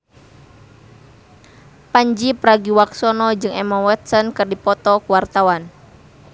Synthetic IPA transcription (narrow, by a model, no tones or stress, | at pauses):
paɲd͡ʒipɾaɡiwaksɔnɔd͡ʒɨŋɛmawɛt̪̚sɔnkɨrdipɔt̪ɔkuwart̪awan